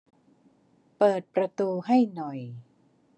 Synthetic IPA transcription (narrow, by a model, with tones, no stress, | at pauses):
pɤː˨˩t̪̚pɾa˧t̪uː˧ɦa˥˩jnɔ˨˩j